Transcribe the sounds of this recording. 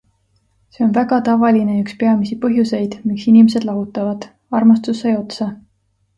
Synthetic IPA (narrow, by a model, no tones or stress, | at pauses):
se̞o̞nvæɡ̥ɑt̪ɑvɑline̞ykspe̞ɑmisipɤɦjuse̞jd̪̥miksinimes̬e̞d̪lɑɦut̪ːˑɑvɑd̪̥ | ɑrmɑst̪usːejo̞t̪sɑ